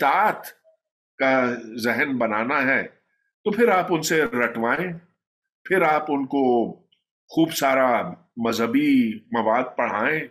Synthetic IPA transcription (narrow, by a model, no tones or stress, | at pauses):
t̪aːt̪ | kazɛɦɛnbɐnaːnaɦɛː | t̪opʰɪɾaːpʊnseɾɐʈʰʋaːẽː | pʰɪɾaːpʊnko | xuːbsaːɾa | mɐzɦəbimɐʋaːd̪̚pɐɽ̤aːẽː